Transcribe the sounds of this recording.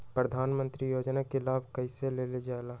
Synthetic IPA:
pɾəd̪ʱaːnmə̃nt̪ɾijoːd͡ʒnakelaːb̚ʱkɐɪseleːled͡ʒaːelaː

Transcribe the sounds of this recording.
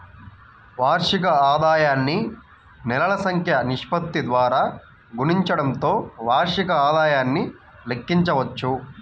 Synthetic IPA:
ʋaːɾʂik̬ɐaːd̪aːjaːnːi | nɛlɐɭɐsɐŋkʰjɐniʂpɐt̪ːid̪ʋaːɾaː | ɡuniɲt͡ʃɐɽɐnt̪o̞ːʋaːɾʂikɐaːd̪aːjaːnːi | lekːiɲt͡ʃɐʋɐt͡ʃːu

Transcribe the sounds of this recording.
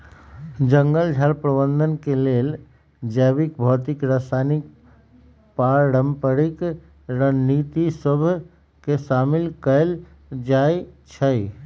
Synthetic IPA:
d͡ʒəŋɡəld͡ʒʱalpɾəbənd̪ʱənkelel | d͡ʒəbik̚bʱɔːt̪ikɾəsanik̚ | paɾəmpəɾik | ɾənnit̪isəbʱ | kesamilkəel | d͡ʒaet͡ʃʰəj

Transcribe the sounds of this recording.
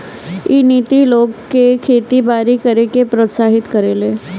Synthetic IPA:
iːnit̪ilokːekʰet̪ibaɾikəɾekepɾət̪saɦit̪kəɾele

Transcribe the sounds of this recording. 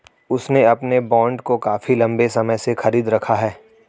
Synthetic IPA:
ʊsneɐpnebɔ̃ːɳɖkokaːfilɐ̃mbesɐməjsexɐɾiːd̪ɾɐkʰaɦɛː

